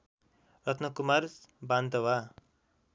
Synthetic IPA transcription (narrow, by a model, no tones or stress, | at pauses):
rʌt̪ʰnʌkumarbant̪ʌwa